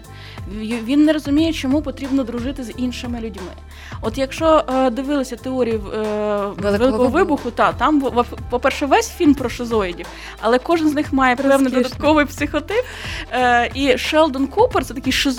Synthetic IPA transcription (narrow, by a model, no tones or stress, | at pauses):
ʋʲinːɛɾɔzʊmʲijɛt͡ʃɔmupɔt̪ɾʲibnɔd̪ɾʊʐɪt̪ɪzʲinʃɪmɪlʲʊdʲmɪ̰ | ɔt̪jɐkʃt͡ʃɔd̪ɪʋɪlˠɐsʲɐt̪eɔɾʲiji | ʋelˠɪkɔɦɔʋɪbʊxʊt̪ɑt̪ɑmpɔpɛrʃɛʋɛsʲfʲilʲmpɾɔʃɪzɔjidʲiw | ɐlˠɛkɔʒɪnznɪxmɑjɛplˠɛwnɪjd̪ɔɐt̪kɔʋɪjpsɪxɔt̪ɪpː | iʃɛlˠd̪ɔnkupert̪sɛt̪ɐkɪjʃɪz